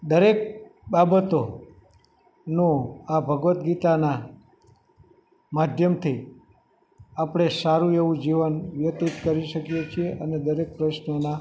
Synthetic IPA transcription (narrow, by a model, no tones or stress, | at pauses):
d̪əɾek̚babət̪o | nũabʱəɡʋət̪ɡit̪ana | mad̪ʱjəmt̪ʰi | apɽ̃esaɾũeʋũd͡ʒiʋənʋjət̪it̪kəɾiʃəkjet͡ʃʰieʔəned̪əɾek̚pɾəʃnəna